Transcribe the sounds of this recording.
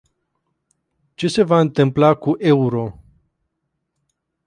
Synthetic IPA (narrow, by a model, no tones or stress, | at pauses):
t͡ʃe̞se̞vaɨnt̪ɨmplakuʔe̞uɾo̞